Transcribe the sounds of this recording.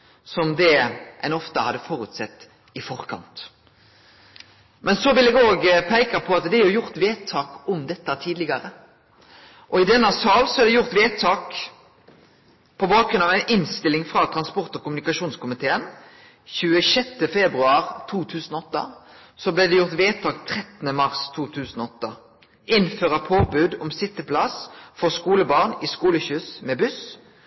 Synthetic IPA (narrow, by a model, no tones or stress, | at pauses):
sɔmd̪ɛʔæ̰nɔft̪əhɑd̪ːəfɔːɾʉt̪sɛt̪ː | ɪfɔʁkʰɑ̰nt̪ | mɛnsɔʋɪlɛːɡoːɡpʰæɪkɑpʰɔɑt̪d̪ɛæɔjʊʁt̪ʋeːt̪ʰːɑːkɔmd̪ɛt̪ːɑt̪ʰiːd̪lɪɡɑɾə | ʔɔɪd̪ɛnːɑsɑːlsɔɛɾd̪ɛjʊʁt̪ʋeːt̪ʰːɑːk | pʰɔbɑːkɾʉnɑʋæɪnʔɪnst̪ɪlɪŋfʁɑt̪ʰʁɑnspɔʁt̪ɔkʊmʉnɪkɑʃuːnskʊmɪt̪ʰeːən | çʉːəʃɛt̪ːəfɛbʁʉɑːʁt̪ʰuːt̪ʰʉːsənɔɔt̪ːə̰ | sɔblɛd̪ɛjʊʁt̪ʋeːt̪ʰɑːkt̪ʰʁɛt̪nəmɑʁst̪ʰuːt̪ʰʉːsnɔɔt̪ːə | ɪnføːʁəpʰoːbʉd̪ɔmsɪt̪ːəplɑsfɔʁskuːləbɑʁnɪskuːləçʉːsmɛbʉs